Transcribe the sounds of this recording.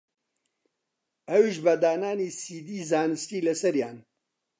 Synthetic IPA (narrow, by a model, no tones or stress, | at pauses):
ɐwiʃbɐd̪aːnaːniːsiːd̪iːzaːnɨstiːlɐsɐɾjaːn